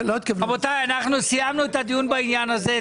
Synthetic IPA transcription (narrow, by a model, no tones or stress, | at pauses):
lot̪̚kevbot̪ajanaχnusijamnuet̪ad̪ijunbainjanaze